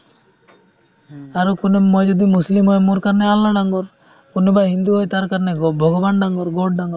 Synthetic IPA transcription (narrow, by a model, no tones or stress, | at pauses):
aɾɔkunemːɔjd͡ʒɔd̪imuslimɦɔjmoɾkaɾnealːaɖaŋɡɔɾ | kunebaɦind̪uɦojt̪aɾkaɾneɡbʱɔɡɔbanɖaŋɡɔɾɡoɖ̚ɖaŋɡɔɾ